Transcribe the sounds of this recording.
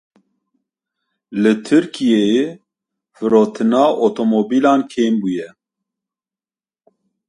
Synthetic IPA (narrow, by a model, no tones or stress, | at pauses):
lɨt̪ʰɨɾkʰije | fɨɾoːt̪ʰɨnɑːʔot̪ʰomoːbiːlɑːnkʰeːmbujɛ